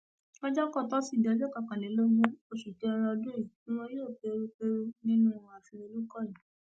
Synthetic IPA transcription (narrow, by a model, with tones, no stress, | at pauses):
ɔ˦d͡ʒɔ˦kɔ˦˨tɔ˦si˦˨di˨ɔ˧d͡ʒɔ˦ka˨kã˨lẽ˨˦lo˦ɡũ˧˦o˧ʃu˨ke˨˦˧ɾɔ˧ɔ˧dũ˦i˨kĩ˦w̃ɔ̃˧joː˦˨k͡pe˨˧˦ɾk͡pe˦nĩ˦nũ˦˧wɔ̃˧a˨fi˧o˧lu˦kɔ˦˨i˨